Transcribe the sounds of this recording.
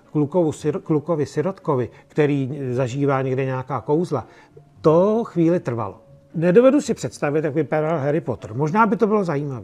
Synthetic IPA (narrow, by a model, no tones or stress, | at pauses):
klukovuskluko̞vɪsɪɾot̪kovɪkt̪ɛɾiːzaʒiːvaːɲɛɡdɛɲɛakaːko̞wzla | t̪oxviːlɪt̪r̩va̰lo̰ | nɛdo̞vɛdusɪpr̝̥ɛt̪st̪avɪt̪jakvɪpaɾalɦɛɾɪpot̪r̩mo̞ʒnaːbɪt̪o̞bɪlo̞zajiːmaviː